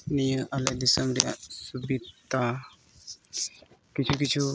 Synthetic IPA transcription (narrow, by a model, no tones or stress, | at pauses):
nijə̃ʔalad̪isəmɾja̰subit̪a | kit͡ʃʰukit͡ʃʰu